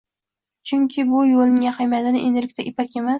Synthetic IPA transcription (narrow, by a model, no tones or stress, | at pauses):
t͡ʃʰʊŋkʲʰɪbʊjolnɪŋjaχajmat̪ɪnɪʔend̪ɪlɪk̚ʲt̪aʔɪpʰakʲe̞mas